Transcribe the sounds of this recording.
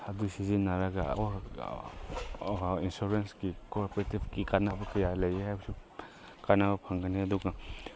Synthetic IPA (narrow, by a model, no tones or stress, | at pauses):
ɐdusizinːaɾaɡa̰wa | insuɾenskikoɾpɔɾetibkikanabɐkɐjalɐjehajbɐsi | kanabɐpʰaŋɡaneɐduɡa